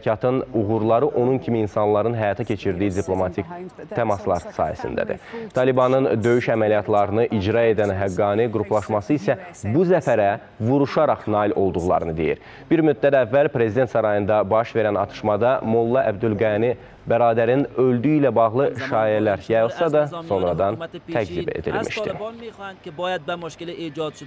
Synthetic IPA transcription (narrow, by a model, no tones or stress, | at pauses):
cʰɑt̪ʰɯnuɣuɾlˠɑɾɯʔo̞nuncʰimiːnsɑnlˠɑɾɯnɦæjɑt̪ʰɑcʰe̞t͡ʃʰiɾd̪ijid̪iplˠo̞mɑt̪ʰikt̪ʰæmɑslˠɑ̰ɾsɑ̰ːhæ̰sḭnd̪æ̰d̪ḭt̪ʰɑlibɑnɯnd̪ø̞jyʃæmælijɑt̪ʰlˠɑɾɯnɯʔid͡ʒɾɑe̞d̪ænɦæɡːɑniɡuɾupʰlˠɑʃmɑsɯisæ | busæfæɾæ | vuɾuʃɑɾɑχnɑːilʔo̞lˠd̪uɣlˠɑ̰ɾɯnɯd̪e̞jḭɾ | b̥iɾmyd̪ːæd̪ævːælpʰɾe̞zid̪e̞nt̪sɑɾɑjɯnd̪ɑbɑʃve̞ɾænɑ̰t̪ʰɯ̥ʃmɑd̪ɑmolˠːɑʔæbd̪ylɡæni | bæɾɑːd̪æɾinø̞ld̪yilæbɑɣlˠɯʃɑːjælæɾjɑjɯlˠsɑd̪ɑso̞nɾɑd̪ɑnt̪ʰæɡd̪ibe̞̰d̪ḭlmʔḭʃt̪ḭ | d͡ʒ